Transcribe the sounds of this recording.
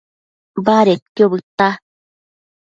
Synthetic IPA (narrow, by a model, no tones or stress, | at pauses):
baɾet̪̚kjobɯt̪ːa